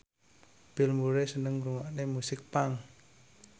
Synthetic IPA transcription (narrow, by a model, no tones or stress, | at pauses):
b̥ɪlmuɾesənəŋmɾuŋaʔnemusɪk̚paŋ